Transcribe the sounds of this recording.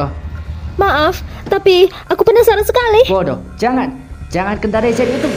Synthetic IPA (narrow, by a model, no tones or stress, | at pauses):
ɔmaʔaft̪apiʔakubənasaɾansəkaliwɔdɔ̰hd͡ʒaŋan | d͡ʒaŋankənt̪aɾaisɛt̪̚kut̪u